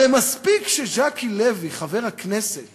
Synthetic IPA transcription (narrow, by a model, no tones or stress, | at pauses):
emaspikʃeʒakileviχave̞ʁhakneset̪